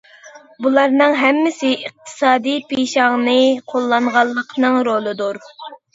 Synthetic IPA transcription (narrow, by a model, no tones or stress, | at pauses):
bulˠɑɾnɨŋɦɛmːɪsɪʔiq̚t̪ʰɨ̥sɑːd̪ijpʰeʃɑʁnɨqʰolˠːɑŋʁɑlˠːəqʰnɨŋɾolˠɨd̪uɾ